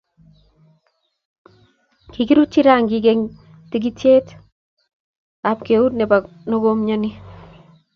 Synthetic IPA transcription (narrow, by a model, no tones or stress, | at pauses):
kiɡiɾut͡ʃːiɾaŋɡiɡeŋ | tiɡ̬itjet | ap̚keut̚nɛba | noɡomɲani